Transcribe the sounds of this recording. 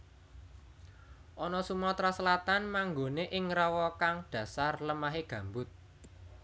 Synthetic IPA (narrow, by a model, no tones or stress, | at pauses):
ʔɔnɔsumɔt̪ɾasəlat̪anmaŋɡoneʔɪŋrawɔkaŋɖ̥ä̤sarləmaɦeɡ̥ä̤mbʊt̪̚